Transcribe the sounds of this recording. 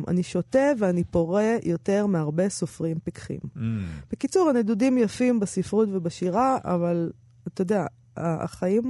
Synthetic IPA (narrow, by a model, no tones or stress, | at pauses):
ma̰niʃo̞te̞veanipo̞ʁejo̞te̞ʁmeaʁbe̞sofʁimpikχḭmb̥ekit͡suʁanedudimjafimbasifʁutvebaʃiʁaa̰val | at̪jod̪ea | aa̰χajim